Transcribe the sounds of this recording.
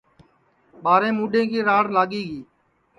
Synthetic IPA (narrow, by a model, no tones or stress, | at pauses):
ɓaːɾẽːmuːɗẽːkiːɾaːɽlaːɠiːɡiː